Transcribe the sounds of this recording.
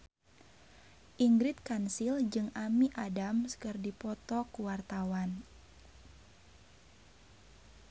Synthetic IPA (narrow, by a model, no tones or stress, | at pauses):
ʔiŋɡɾɪt̪̚kansild͡ʒɨŋʔamiʔadamsə̥kɨrdipɔt̪ɔkuwart̪awan